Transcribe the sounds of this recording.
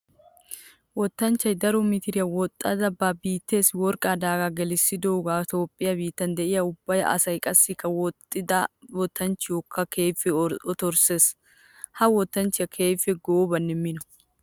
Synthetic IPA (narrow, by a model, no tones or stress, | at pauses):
wɔt̪ːɐnt͡ʃːɐjd̪ɐɾɔmɪt̪ɪɾɪjɐwɔt̪ʼːɐd̪ɐbːaːbiːt̪ːe̞ːswɔɾkʼaːd̪aːɡaɡɛlɪsːɪd̪oːɡaːt̪o̞ːpʼːɪjɐbiːt̪ːɐnd̪ɛʔɪjɐʊbːɐjɐ̰ʔɐ̰sɐjkʼɐsːɪkːɐwɔt̪ːɪd̪ɐwɔt̪ʰːɐnt͡ʃːɪjoːkʰːɐkʰe̞ːfːɛɔt̪ɔɾse̞ːs | hɐwɔt̪ːɐnt͡ʃːɪjɐkʰe̞ːfːɛɡobɐnːɪmːɪnɔ̥